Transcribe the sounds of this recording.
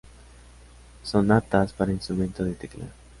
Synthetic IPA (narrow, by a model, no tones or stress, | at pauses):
sonat̪aspaɾainst̪ɾumẽ̞nt̪oðet̪eklḛɾ